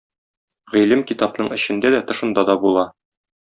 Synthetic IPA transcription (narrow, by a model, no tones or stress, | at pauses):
ʁilɘmkit̪ɑpnɤɴɘ̆ɕɘ̆nd̪æd̪æt̪ɤ̆ʃɤ̆nd̪ɑd̪ɒbulˠɑ